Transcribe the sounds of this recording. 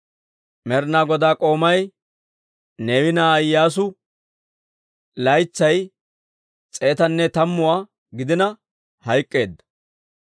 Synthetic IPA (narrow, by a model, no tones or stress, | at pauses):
mɛɾnaːɡɔd̪aːkʼo̞ːmɐj | neːwɪnaːjːaːs̬ʊ | lɐjt͡sːɐj | t͡sʼe̞ːt̪ɐnːɛt̪ɐmːʊwaː | ɡɪd̪ɪnɐ | hɐjkʼːe̞ːd̪ːɐ̥